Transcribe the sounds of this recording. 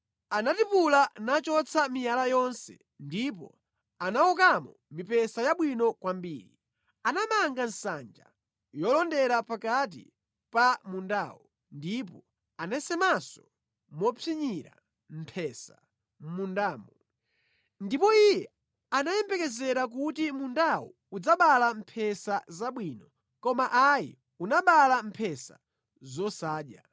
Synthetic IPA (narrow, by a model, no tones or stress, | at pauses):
anatipulanat͡ʃɔt͡sʰamijalajɔnsɛ̰ | ndip̬ɔ̰ | anawɔk̬amɔmipɛsajaɓwinɔkwambḭːɾi | anamaŋɡan̩sa̰nd͡ʒa̰ | jɔlɔndɛɾapakat̬ḭ | pamunda̰ːwɔ | ndipɔ | anɛsɛmasɔ | mɔpʰiɲiɾa̰ | m̩pʰɛsa | m̩mundaːmɔ | ndipɔijɛ | anajɛmbɛkɛzɛɾak̬utimundawɔ̰ | ud͡zaɓalam̩pʰɛsazaɓwinɔ | kɔmaʔajḭ | unaɓalam̩pʰɛsa̰ | zɔsaːɗja̰